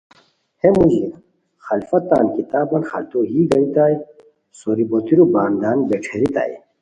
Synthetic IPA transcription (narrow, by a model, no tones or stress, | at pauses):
hemud͡ʑli | xɐlfɐt̪ːa̰ːnkit̪aːbɐnxɐlt̪oːɦiːɡɐnit̪aːj | soɾibot̪iɾubaːnd̪aːnbeʈ͡ʂʰeɾit̪a̰ːj